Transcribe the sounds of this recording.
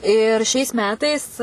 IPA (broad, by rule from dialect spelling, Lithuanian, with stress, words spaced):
ɪr ʃʲɛɪs ˈmʲæːtɐɪs